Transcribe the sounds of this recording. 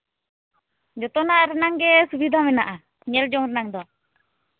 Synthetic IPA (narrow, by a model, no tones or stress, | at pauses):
d͡ʒɔt̪ɔnaɾɛnaŋɡɛsubid̪ʱamɛnaʔa | ɲɛld͡ʒɔŋɾɛnaŋd̪ɔ